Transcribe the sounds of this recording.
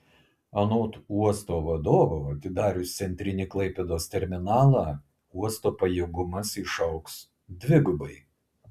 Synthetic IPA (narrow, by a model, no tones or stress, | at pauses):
ɐnoːt̪uɔst̪oːʋɐd̪oːʋoɐt̪ʲɪd̪ɑːɾʲʊst̪sʲɛnʲt̪ʲɾʲɪnʲiklˠɐɪpʲɛd̪oːst̪ʲɛɾʲmʲɪnɑːlˠɑː | uɔst̪oːpɐjɛːɡʊmɐsɪʃɐʊks | d̪ʲʋʲɪɡʊbɐɪ